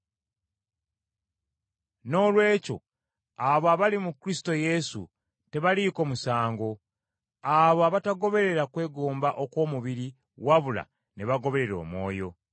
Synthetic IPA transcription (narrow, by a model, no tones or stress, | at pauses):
no̞ːlwe̞ːco̞̰ | aβoaβalimukɾisi̥to̞je̞sṵ | te̞βaliko̞musaːŋɡo̞ | aβoaβataɡo̞βe̞ɾe̞ɾakwe̞ːɡoːmbaʔo̞kwo̞ːmuβiɾi | waβula̰ | neβaɡo̞βe̞ɾe̞ɾo̞̰ːmwo̞̰ːjo̞̰